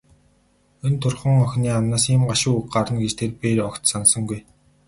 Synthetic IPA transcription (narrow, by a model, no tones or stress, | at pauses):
ɵnt̪ʰʊrχə̆ŋɔxʲniːamnaːsɪmɢaʃʊːukɢaɾə̆nɡet͡ɕt̪ʰeːrperɔkt̪sansə̆ŋɡuj